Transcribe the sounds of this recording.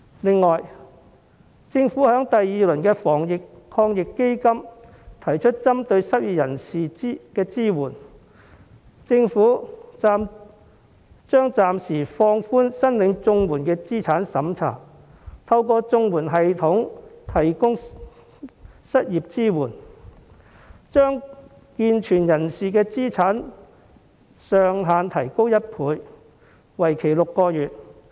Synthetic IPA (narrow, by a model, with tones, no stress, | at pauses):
lɪ˨ŋːɔː˨˩j | t͡sɪ˧ŋfuː˨˥hœː˨˥ŋt̪ɐ˨jːiː˨lɵ˨˩nkɛː˧fɔː˨˩ŋjɪ˨kkʰɔː˧ŋjɪ˨kːe˥jkɐ˥m | t̪ʰɐ˨˩jt͡ʃʰɵ˥t̚t͡sɐ˥mt̪ɵ˧ɥsɐ˥t̚ji˨p̚jɐ˨˩nsiː˨kɛː˧t͡siː˥wuː˨˩n | t͡sɪ˧ŋfuː˨˥t͡saː˧m | t͡ʃœː˥ŋt͡saː˨msiː˨˩fɔː˧ŋfuː˥nsɐ˥nlɪ˨˧˥ŋt͡sʊ˧ŋwuː˨˩nkɛː˧t͡siː˥t͡sʰaː˨˥nsɐ˨˥mt͡sʰa̰ː˨˩ | t̪ʰɐ˧wkɔː˧t͡sʊ˧ŋwuː˨˩nɦɐ˨jt̪ʰʊ˨˥ŋt̪ʰɐ˨˩jkʊ˥ŋ | sɐ˥t̚jiː˨p̚t͡siː˥wuː˨˩n | t͡ʃœː˥ŋ | kiː˧nt͡ʃʰyː˨˩njɐ˨˩nsiː˨k̬ɛː˧t͡siː˥t͡sʰaː˨˥n | sœː˨ŋɦaː˨˧nt̪ʰɐ˨˩jko˥wjɐ˥t̚pʰuː˨˧j | wɐ˨˩jkʰe˨˩jlʊ˨kːɔː˧jyː˨t̚